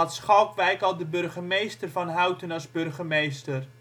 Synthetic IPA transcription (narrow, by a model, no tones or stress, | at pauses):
atsχɔwkʋɛjkɑlˠdəbɵrχəmejstərvɑnɦœwtənɑzbørχəmejstər